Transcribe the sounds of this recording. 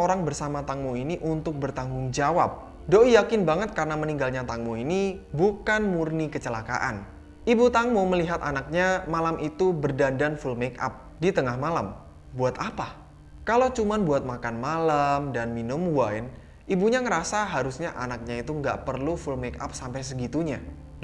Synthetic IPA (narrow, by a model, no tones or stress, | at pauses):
oɾaŋbərsamat̪aŋmuiniʔunt̪ʊk̚bərt̪aŋɡʊŋd͡ʒawap̚ | doʔijakɪnbaŋət̪̚kaɾənaməniŋɡalɲat̪aŋmuinibukanmurnikət͡ʃəlaka̰ʔa̰n | ʔibut̪aŋmuməliɦat̪anak̚ɲamalamʔit̪ubərdandanfulmeka̰p̚ | dit̪əŋahmalam | buat̪apa | kalot͡ʃumanbuat̪̚makanmalamdanminʊmwajn | ʔibuɲaŋəɾasaɦaɾusɲaʔanak̚ɲait̪uŋɡa̰ʔpərlufulmeka̰p̚sampajs̬əɡit̪uɲa